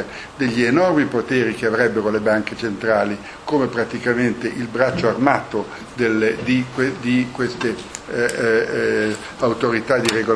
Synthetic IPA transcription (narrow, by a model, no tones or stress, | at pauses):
d̪eʎːienɔrmipot̪eːɾik̟eavɾɛbːeɾolebaŋket͡ʃent̪ɾaːli | koːmepɾat̪ikament̪eʔilbɾat͡ʃːoarmaːt̪o | d̪elːd̪ikwed̪ikwest̪e | awt̪oɾit̪ad̪iɾeɡo